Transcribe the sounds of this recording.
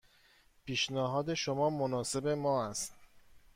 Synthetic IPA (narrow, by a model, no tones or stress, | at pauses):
pʰiːʃnæɦɒːd̪e̞ʃomɒːmonɒːse̞be̞mɒːæst̪